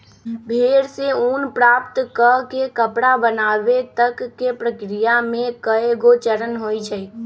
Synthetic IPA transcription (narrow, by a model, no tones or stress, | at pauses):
bʱeɾseunpɾapt̪kəkekəpɽabənaːbet̪əkːepɾəkɾijamẽkəeɡot͡ʃəɾənɦojt͡ʃʰəj